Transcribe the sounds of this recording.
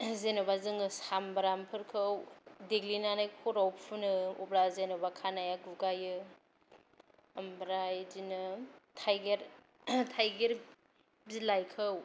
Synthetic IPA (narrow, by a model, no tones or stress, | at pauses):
zenɯbazɯŋɯsambɾampʰɯɾkʰɯwdeɡlinanajkʰɔɾawpʰunɯubɾazenɯbakʰanajaɡuɡajɯ | ambɾajd͡ʒinɯtʰajɡeɾ | tʰajɡeɾ | bzilajkʰɯw